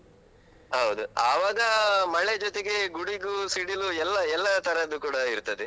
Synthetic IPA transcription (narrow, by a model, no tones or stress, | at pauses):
ɦɐʋud̪uaːʋaːɡɐmɐɭe̞d͡ʒɔt̪e̞ɡe̞ɡuɽiɡusiɽiluɛlːɐɛlːɐt̪ʰɐɾɐɐd̪ːukuːɽɐiɾt̪ɐd̪e